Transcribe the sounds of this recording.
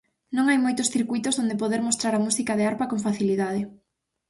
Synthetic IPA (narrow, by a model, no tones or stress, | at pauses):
nõŋajmojt̪ʊsθiɾkujt̪ozðond̪epoðeɾmost̪ɾaɾamusikaðɪaɾpakoŋfaθiliðað̞ɪ